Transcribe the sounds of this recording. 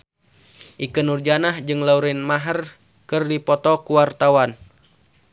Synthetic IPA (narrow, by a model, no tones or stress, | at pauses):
ʔikɨnurd͡ʒanahd͡ʒɨŋlauɾɪnmaɦər | kɨrdipɔt̪ɔkuwart̪awan